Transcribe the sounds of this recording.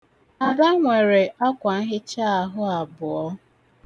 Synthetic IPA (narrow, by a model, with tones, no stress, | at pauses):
a˨da˦ŋʷe˨ɾe˨ʔa˦kʷa˨n̩˦ɦɪ˦t͡ʃa˦a˨ɦʊ˦a˨bʊ˨ɔ˦